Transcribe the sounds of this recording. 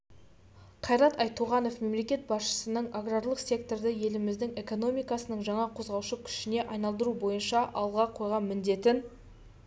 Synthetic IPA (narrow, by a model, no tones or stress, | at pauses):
qʰɑjɾɑt̪ɑjt̪ʰuʁɑno̞fme̞mle̞kʲe̞t̪̚bɑsʃə̥sənəɴaɡraɾlˠəqsʲe̞kt̪o̞rd̪ɪje̞lɪmɪzd̪ɪŋe̞ko̞no̞mʲijkɑsənəɴʒɑɴɑqʰo̞zʁɑwʃəkʲʰʏ̥ʃɪne̞ʔɑjnɑlˠd̪əɾubo̞jənʃɑʔɑlˠʁɑqʰo̞jʁɑnmɪnd̪e̞t̪ɪn